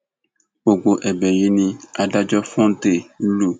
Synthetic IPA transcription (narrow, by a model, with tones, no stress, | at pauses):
wo˨ɡ͡bo˨ʔɛ˨bɛ˨ji˦nĩ˦a˨ɖa˦d͡ʒɔ˦fɔ̃˦n˦t̪e˨˦lu˦˨